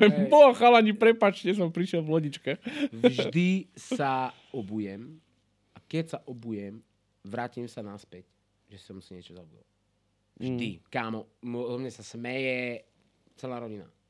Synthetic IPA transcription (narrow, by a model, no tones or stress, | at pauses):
ɛbɔaxalaɲipɾɛpat͡ʃcɛs̬ɔmpɾiʃjɛlvlɔɟit͡ʃkaxvʒd̪isa | ɔbujɛm | akɛcsaʔɔbujɛm | ʋɾaːcimsanaspɛc | ʒɛsɔmsiɲɪɛt͡ʃɔzabud̪ɔ̰ac | vʒd̪ikaːmɔmɔmɲɛsasmɛjɛ | t͡sɛlaːɾɔɟina̰